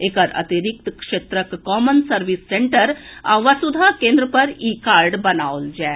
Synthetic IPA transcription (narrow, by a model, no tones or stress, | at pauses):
eːkəɾɐ̰t̪iɾɪk̚t̪kʃeːt̪ɾəkːɔːmənsəɾʋisːẽɳʈəɾaʋəsʊd̪ʱakẽːnd̪ɾəpɐɾiːkaːɾɖbɐnaːold͡ʒɛː